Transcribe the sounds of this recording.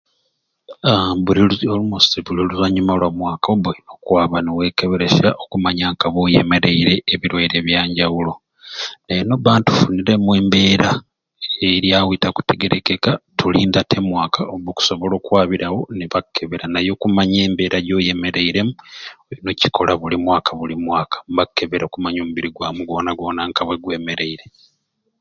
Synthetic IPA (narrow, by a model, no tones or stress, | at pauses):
βuliolumusiβuliluzaɲumalwamwaːkaoβoino̞kwaːβanewe̞ːke̞βe̞ɾe̞ʃaʔokumaɲaŋkaβojḛme̞ɾe̞iɾe̞ːβiɾwaiɾe̞βjaːɲɟawulo̞ | neenoβaːntu̥funiɾe̞muwe̞ːmbe̞ːɾa | eɾjawitaku̥te̞ɡe̞ɾekekatuliːndatʰe̞mwaːkʰaoβoku̥so̞βolo̞ːkwaːβiɾawo̞niβakːe̞βeɾanajo̞kumaɲeːmbe̞ːɾaɟo̞ːje̞me̞ɾe̞iɾe̞munoci̥kʰo̞laβulimwaːkʰaβulimwaːkʰḁmβakːe̞βeɾakumaɲo̞ːmuβiɾiɡwaːmuɡo̞ːnaɡo̞ːnaŋkaβwe̞ɡwe̞ːme̞ɾe̞iɾe̞